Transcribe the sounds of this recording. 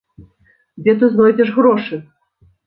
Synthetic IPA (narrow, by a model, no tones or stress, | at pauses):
d͡zʲɛt̪ɨznɔjd͡zʲɛʂɣɾɔʂɨ